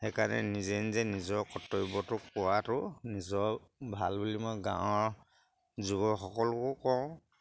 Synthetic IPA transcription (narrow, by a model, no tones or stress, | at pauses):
hɛkanɛ̰nizɛnzɛnizɔkɔtɔjbɔtʊk̚ʊwatʊnizɔbʱalbulimɔjɡã̰wɔɹ | zuɡɔxɔkɔlʊkʊkɔʊ̃